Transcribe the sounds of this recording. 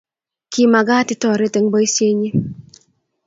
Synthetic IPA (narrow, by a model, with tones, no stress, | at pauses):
ki˨ma˨ɡa˦tɪ˦tɔ˨ɾe˦te˨ŋbɔ˦i˦sje˦ɲi˦